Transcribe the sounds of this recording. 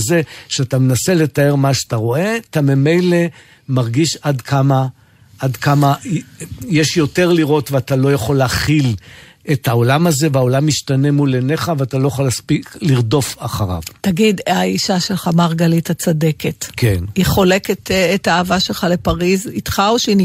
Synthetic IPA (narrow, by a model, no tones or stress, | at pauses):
zeʃeatamenase̞le̞tae̞ʁmaʃeataʁo̞e̞atamime̞jle̞ | maʁɡiʃadkʰama | ʔad̪kama | jeʃjo̞te̞ʁliʁo̞tveatalo̞jaχo̞leaχil | ethaolamaze̞veao̞lamiʃtanemuleneχaveatalo̞jaχolaspikliʁdo̞faχaʁa̰vtaɡidaiʃaʃelχamaʁɡalithat͡sadeketkʰeniχoleketːtaːvaʃelχale̞paʁizitχaoʃni